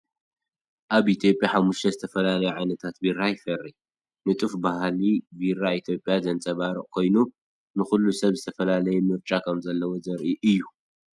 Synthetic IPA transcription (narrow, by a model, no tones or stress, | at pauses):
ʔaβʔit̪ʰjo̞pʼːjaħamːuʃt̪ʰɐzɨt̪ʰɐfɐlalɐjɛʕajnɐt̪ʰat̪birajɪfɐrːi | nɨt̪ʼɨfbahlibirːait̪ʰjo̞pʼːjazɐnt͡sʼɐβaɾiʔʼkʰo̞jnu | nɨxulːusɐβzɨt̪ʰɐfɐlalɐjɛmɨɾt͡ʃʼakʰɐmzɐlːɐwo̞zɐɾʔiʔɨjːu